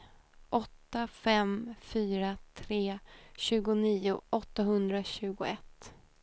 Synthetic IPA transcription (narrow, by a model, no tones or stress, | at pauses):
ʔɔt̪ːafɛmfyːɾat̪ʰɾeːɕʉ̟ːɡʊniːʊʔɔt̪ːaɦɵnd̪ɾaɕʉ̟ːɡʊɛt̪ː